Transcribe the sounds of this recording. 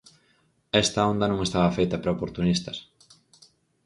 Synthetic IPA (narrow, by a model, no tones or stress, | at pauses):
ɛst̪ɐond̪ɐnõŋest̪aβɐfejt̪ɐpɾaopoɾt̪unist̪ɐs